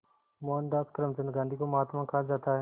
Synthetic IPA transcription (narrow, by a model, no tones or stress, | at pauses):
moːnd̪aːskɾəmt͡ʃənɡãːnd̪iːkoːmɦaːt̪mãːkʰaːd͡ʒaːt̪aːɦɛː